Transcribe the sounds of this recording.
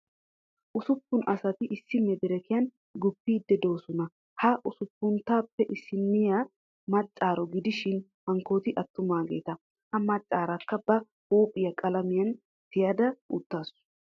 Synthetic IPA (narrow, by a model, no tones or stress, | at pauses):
ʔʊsʊpːʊnɐsɐt̪ɪʔɪsːɪmɛd̪ɛɾɛkɪjɐn | ɡʊpːiːd̪ːɛd̪o̞ːsɔnɐ | hɐʔʊsʊpːʊnt̪aːpːɛʔɪsːɪnːɪja | mɐt͡ʃʼːaːɾɔɡɪd̪ɪʃɪn | hɐŋko̞ːt̪ɪʔɐt̪ːʊmaːɡe̞̰ːt̪ɐ | hɐmɐt͡ʃʼːaːɾɐkːɐbɐ | huːpʼɪjɐkʼɐlɐmɪjɐn | t̪ɪjad̪ɐʔʊ̰t̪ːaːsʊ̥